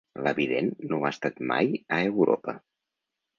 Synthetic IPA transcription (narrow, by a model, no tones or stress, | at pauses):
ləβiðenːoast̪at̪ma̰jəewɾo̰pə